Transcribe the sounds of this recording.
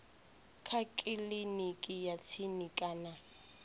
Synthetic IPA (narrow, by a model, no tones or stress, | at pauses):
kʰakʼɪlinikʼɪjat͡sʰinikʼaːna